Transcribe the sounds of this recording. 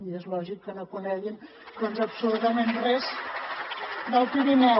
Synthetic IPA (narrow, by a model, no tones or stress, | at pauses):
iezlɔʒikːənokunɛɣin | konzəpsulut̪əmenrɛz | d̪əlˠpiɾinɛ